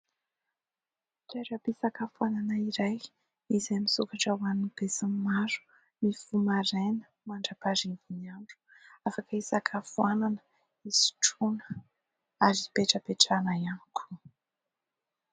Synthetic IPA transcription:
taɾapisakafuananəiɾaj | izemisukaʈ͡ʂəwanibesimmaɾu̥ | nifumaɾenə̥ | maɳɖ͡ʐapaɾivuniaɳʈ͡ʂu̥ | afakəisakʰafuananə | izi̥ʈ͡ʂunə̥ | aɾipeʈ͡ʂəpeʈ͡ʂanajanikʰu̥

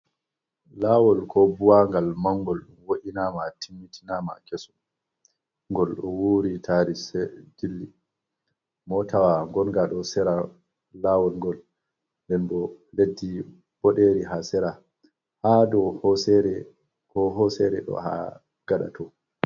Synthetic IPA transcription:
laːwɔlkʰɔbuwaŋɡalmaŋɡɔlɗumwoɗinaːmatʰimːitʰinama̰kɛsɔ̥ | ŋɡɔlɗɔwuɾitʰaɾisɛd͡ʒilːi | mɔtʰawaŋɡɔnɡaɗɔsɛɾa | lawɔlŋɡɔl | ndɛnbɔledːi | b̥ɔɗeɾiɦasɛɾa | hadɔhɔsɛɾɛ | kɔɦɔsɛɾɛ̰ɗɔ̰ha̰ | ɡ̥aɗa̰tʰɔ

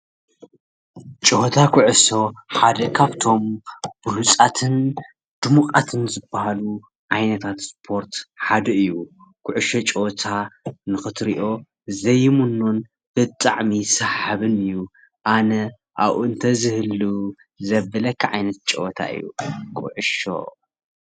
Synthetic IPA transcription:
t͡ʃʼɨhot̪ʰakʰuʕɨʃo̞ħad̪ɐkʰaβt̪ʰo̞mb̥ɨlut͡sʼat̪ʰɨn | d̪̥umuqʼat̪ʰɨnzɨbːahalu | ʕajnɐt̪ʰat̪spʰo̞ɾt̪ħad̪ɐɨjːu | kʰʊʕʊʃot͡ʃʼɛwt̪ʰanɨxɨt̪ɾiʔo̞ | zɐjːmunːon | b̥ɨt̪ʼa̰ʕmisaħaβɨnɨjːu | ʔanɐ | ʔa̰βʔuɨnt̪ʰɐzɨhɨlu | zɐbːɐlɐkʰːaʕajnɐt̪̚t͡ʃʼɛ̰wt̪ʰa̰ʔɨ̰jːṵkʰʼʊ̰ʕɨʃo̞̰

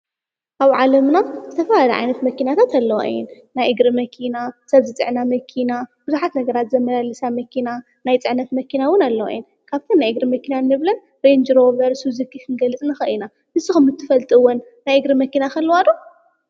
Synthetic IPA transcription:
ʔaβʕalɐmnazɨt̪ʰɐfɐlalɐʕa̰jnɐt̪mɐkinat̪ʰat̪alːɐwʔa̰jːɪ̰nːajʔɨɡɾimɐkʰinasɐβzit͡sʼɨ̰ʕnamɐkʰinab̥ɨzuħat̪nɐɡɐɾat̪zɐmːɐlalɨsamɐkʰina | najt͡sʼɨʕnɐt̪mɐkinawɨnalːɐwa̰jːɪn | kʰaβt̪ʰɐnːajʔɨɡɾimɐkʰinanːɨβlɐn | ɾend͡ʒɾo̞vɐɾsuzikʰikʰɨnɡɐlɨt͡sʼnɨxɐʔina | mɨsɨxɨmːɨt̪ʰːɨ̥fɐlt̪ʼɨɨwonːajɨɡɾɨmɐkinaxɐlːwad̪o

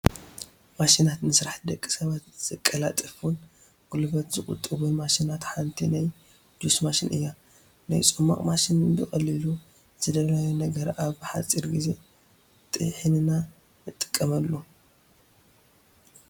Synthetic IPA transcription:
maʃinat̪nɨsɾaħd̪ɐkʼːi̥sɐβat̪z̥ɐkʼːɐlat̪ʼɨfun | ɡ̥ulbɐt̪zɨχʼʊ̰t̪ʼːɨβunmaʃinat̪ħant̪ʰinaj | d͡ʒ̪usmaʃinʔɨ̰jːa | najt͡sʼɨmːa̰kʼmaʃinbɨxʼɐlːilu | z̥ɨd̪ɐβlajunɐɡɐɾʔaβħat͡sʼiɾɡize̞ | t̪ʼɨ̰jħɨnɨna | nɨt̪ʼːɨ̥kʼːɐmɐlːu

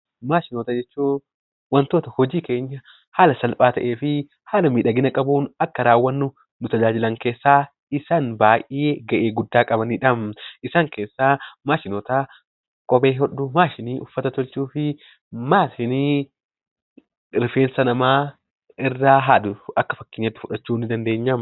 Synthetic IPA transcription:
maːʃɪnoːt̪ɐd͡ʒɛt͡ʃːuː | wɐnt̪oːt̪ɐhɔd͡ʒiːke̞ːɲːɐ | haːlɐsɐlpʼaːt̪ɐ̰ʔeːfɪ | haːlɐmiːᶑɐɡɪnɐkʼɐbuːnɐkːɐɾaːwːɐnːʊ | nʊt̪ɐd͡ʒaːd͡ʒɪlɐŋke̞ːsːaː | ɪsaːnbaːʔeːɡɐʔeːɡʊd̪ːaːkʼɐbɐniːᶑɐmʔɪsaːŋke̞ːsːaːmaːʃɪnoːt̪a | kʼɔbeːɦɔɗːʊmaːʃɪniːʔʊfːɐt̪ɐt̪ɔlt͡ʃuːfɪ | maːʃɪniː | ɾɪfe̞ːnsɐnɐmaː | ɪrːaːɦaːd̪ʊɐkːɐ̥fɐkːɪneːt̪ːɪ̥fʊᶑɐt͡ʃːuːnːɪd̪ɐnd̪eːɲːɐm

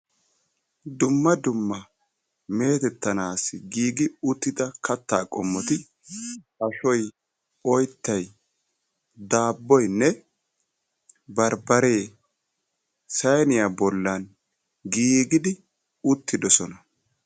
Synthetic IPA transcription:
d̪ʊmːɐd̪ʊmːɐ | me̞ːt̪ɛt̪ːɐnaːsɪɡiːɡɪʊt̪ːɪd̪ɐkɐt̪ːaːkʼɔmːɔt̪ɪ | ɐʃɔj | ɔjt̪ːɐj | d̪aːbːɔjnːɛ | bɐɾbɐɾe̞ː | sɐjnɪjabɔlːɐn | ɡiːɡɪd̪ɪ | ʊt̪ːɪd̪ɔsɔnɐ

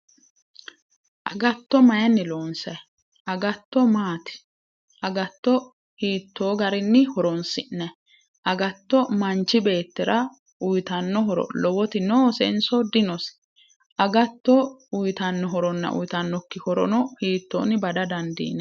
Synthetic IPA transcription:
ʔɐɡɐt̪ːɔmɐjɐnːɪloːnsɐj | ʔɐɡɐt̪ːɔmaːt̪ɪ̥ | ʔɐɡɐt̪ːɔ | hiːt̪ːoːɡɐɾɪnːɪhɔɾɔnsɪnɛ | ʔɐɡɐt̪ːɔmɐnt͡ʃːɪbe̞ːt̪ːɪɾɐ | ʊjt̪ɐnːɔɦɔɾɔ̰lɔwɔt̪ɪnoːsɛ̰nsɔd̪ɪnɔs | ʔɐɡɐt̪ːɔʊjt̪ɐnːɔɦɔɾɔnːɐ̰ʔʊ̰jɪt̪ɐnːɔkːɪhɔɾɔ̰nɔhiːt̪ːo̰ːnɪbɐd̪ɐd̪ɐnd̪ḭːnɛ

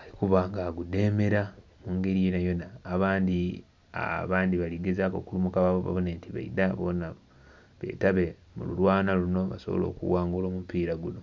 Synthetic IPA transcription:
alikuβaːŋɡaːɡude̞ːme̞ɾa | muŋɡe̞ɾijenajo̞naːβaːndi | a̰βaːndiβaliɡezaːko̞̰kulumukaβaβoβa̰βoneːntiβa̰idaβona | βe̞̰ːtaβe̞ | mṵluɾwaːnaluno̞βaso̞βo̞̰lo̞̰ːkṵwaːŋɡulo̞ːmumpiːɾaɡuno̞

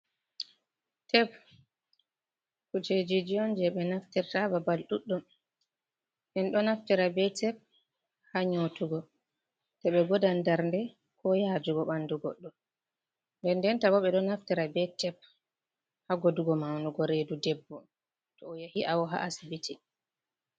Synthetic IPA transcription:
tʰɛp | kut͡ʃed͡ʒid͡ʒiɔnd͡ʒɛɓɛnaftiɾtababalɗuɗːum | ʔɛnɗɔnaftiɾabɛtɛp̚ | haɲotuɡɔ | tɛɓɛɡɔdandaɾndɛ | kʰɔjaːd͡ʒuɡɔɓanduɡɔ̰ɗːɔ | ndɛndɛntabɔɓɛɗɔnaftiɾabɛtɛp̚ | haɡoduɡɔmawnuɡɔɾedudɛbːɔ | tɔːjahiʔawɔɦa̰ʔasibiti

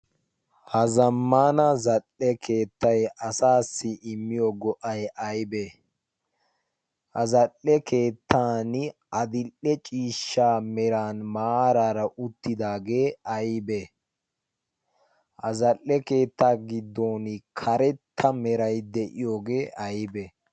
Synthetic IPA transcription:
hɐzɐmːaːnɐzɐlːɛkʰe̞ːt̪ːɐjɐsaːsːɪʔɪmːɪjɔɡɔʔɐjʔɐjbɛ | hɐzɐlːɛke̞ːt̪ʰːaːnʔɐd̪ɪlːɛt͡ʃʼiːʃːaːmɛɾaːnmaːɾaːɾɐʔʊt̪ːɪd̪aːɡe̞ːɐjbɛ | hɐzɐlːɛke̞ːt̪ːaːɡɪd̪ːoːnkʰɐɾɛt̪ʰːɐmɛɾɐjd̪ɛʔɪjo̞ːɡe̞ːʔɐjbɛ

